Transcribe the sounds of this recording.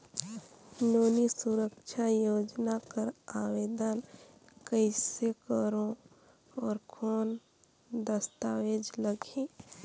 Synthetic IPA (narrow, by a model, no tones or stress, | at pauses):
noːnisuɾəkʃʰajoːd͡ʒnakəɾaːweːd̪ən | kəɪsekəɾõ | ɔːɾkʰoːn | d̪əst̪aweːd͡ʒləɡe